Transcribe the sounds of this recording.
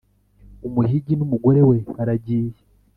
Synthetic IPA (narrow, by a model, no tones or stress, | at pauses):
umuhiɟinumuɡo̞ɾe̞we̞aɾaɟiːje